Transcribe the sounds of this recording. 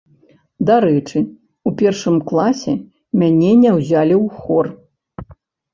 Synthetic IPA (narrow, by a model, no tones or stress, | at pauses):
d̪aɾɛt͡ʂɨ | upʲɛrʂɨmklˠasʲɛ̰ | mʲanʲɛnʲɛwzʲalʲiwxɔr